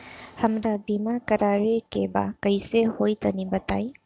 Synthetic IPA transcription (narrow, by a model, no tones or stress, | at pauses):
hɐmɾabimakɐɾaɾekeba̰kəjsehojt̪ɐnibata̰j